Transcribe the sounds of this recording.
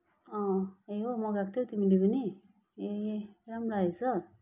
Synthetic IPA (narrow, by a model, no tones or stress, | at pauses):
ʌ̃eɦomʌɡak̚t̪ʰot̪imilepʌni | eɾamɾaesʌ